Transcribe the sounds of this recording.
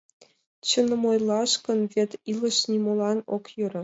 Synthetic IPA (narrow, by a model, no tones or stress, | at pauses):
t͡ɕɤ̆nɤ̆mojlˠɑʂkɤ̆nvʲet̪ʲilˠɤ̆ʂnʲimolˠɑnokjuɾʲɤ̆